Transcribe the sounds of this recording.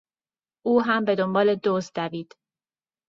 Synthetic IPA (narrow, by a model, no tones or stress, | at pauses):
ʔuːɦæmbe̞d̪o̞mbɒːle̞d̪ozd̪æviːd̪̥